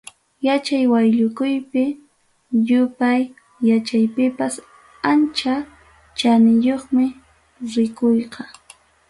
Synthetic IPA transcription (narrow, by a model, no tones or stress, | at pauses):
jat͡ʃajwajʎʊkʊjpɪ | jʊpaj | jat͡ʃajpɪpas | ant͡ʃa | t͡ʃanɪjoχmɪ | ɾɪkojqɑ